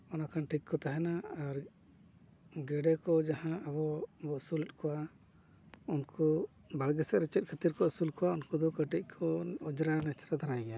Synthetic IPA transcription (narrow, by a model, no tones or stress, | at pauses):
ɔnakanʈikkɔt̪aɦɛnaaɾ | ɡɛɖɛkɔd͡ʒahãʔabɔbɔʔsulɛt̪̚kʰɔwa | unkʰɔ | balɡɛsɛʔɾɛt͡ʃɛt̪̚kʰət̪iɾkɔʔsulkɔwaunkud̪ɔkəʈic̚ˀkʰɔɔd͡ʒɾanɛt͡ʃʰɾad̪ʱanajɡɛja